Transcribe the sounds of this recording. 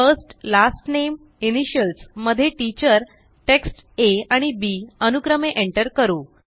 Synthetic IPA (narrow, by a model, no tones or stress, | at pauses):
fəsʈlasʈnem | iniɕəlsməd̪ʱːjeʈit͡ɕəɾ | ʈeksʈeaɽ̃ibiənukɾəmeʔeɳʈəɾkəɾuː